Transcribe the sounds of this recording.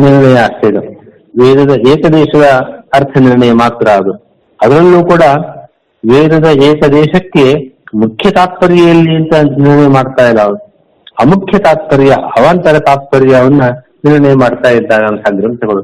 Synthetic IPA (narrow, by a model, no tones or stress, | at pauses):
niɾɐɳɐjɐːst̪ed̪u | ʋeːd̪ɐd̪ɐeːkɐd̪ɛːʂɐd̪ɐːɾt̪ʰɐniɾɳɐjɐmaːt̪ːɾaːd̪u | ɐd̪ɐɾɐlːuːkuːɽɐ | ʋeːd̪ɐd̪ɐeːkɐd̪ɛːʃɐkːe̞mukʰjɐt̪aːt̪̚pɐɾjɐjɐlːiɐnt̪ɐniɾɐɳɐjɐmaːɖt̪aːjɐlːɐʋnu | ɐmukʰjɐt̪aːt̪̚pɐɾjɐɐʋaːnt̪ɐɾɐt̪aːt̪̚pɐɾjɐɐʋɐnːɐ | niɾɐɳɐjɐmaːɖt̪aːjid̪ːaːɡɐɐnt̪ʰaɡɾɐnt̪ʰɐɡɐɭu